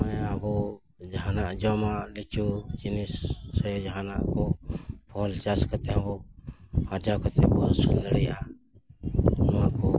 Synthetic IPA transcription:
ajabɔ | d͡ʒɦanaʔd͡ʒɔmalɛt͡ʃud͡ʒinisːɛd͡ʒaɦana̰ʔkɔpʰɔlt͡ʃaskat̪ɛãbɔhaɾd͡ʒakat̪ɛbɔsund̪əɽɛʔa | nakɔ

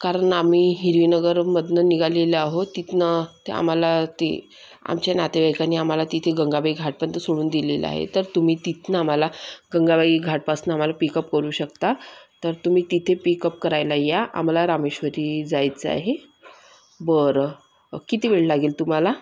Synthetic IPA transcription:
kaɾəɳamiːɦiɾʋinəɡəɾməd̪ʱnəniɡaleləaɦot̪it̪nət̪ea̰m̤alat̪ḛ | a̰mt͡ɕanat̪eʋajkaniam̤alat̪it̪ʰeɡəŋɡabaiɡʱaʈ̚pəɳt̪əsoɽuːnd̪ilel̰a̰ɦḛt̪əɾt̪um̤iːt̪it̪nəam̤alaɡəŋɡabaiːɡʱaʈ̚pasnəam̤alapikəpkəɾuːɕəkt̪at̪əɾt̪um̤iːt̪it̪ʰepikəp̚kəɾajlajaʔa̰m̤laɾameɕʋəɾiːd͡zajt͡səa̰ɦe | bəɾ | kit̪iʋeɭlaɡiːlt̪um̤ala

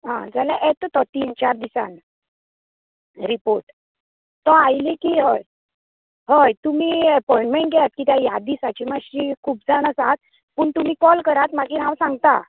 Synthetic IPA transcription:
ɦã̰d͡zalaʔɛt̪ɔt̪ɔt̪iːnt͡ɕaɾd̪isa̰n | ɾipoɾʈ | t̪ɔajlikiːɦəj | ɦəjt̪um̤iːɛpɔĩɳʈmẽɳʈ̚ɡɛat̪̚kit̪jajad̪isat͡ɕimaɕiːkʰuːpd͡zaɽ̃əsat̪̚ | puːɳt̪um̤iːkɔlkəɾat̪maɡiːɦãwsãŋɡt̪a

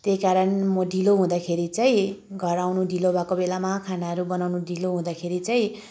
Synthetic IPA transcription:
t̪ejkaɾʌnmʌɖiloɦũd̪akʰeɾit͡saĩɡʱʌɾawnuɖilobakobelamakʰanaɦʌɾubʌnawnuɖiloɦũd̪akʰeɾit͡saĩ

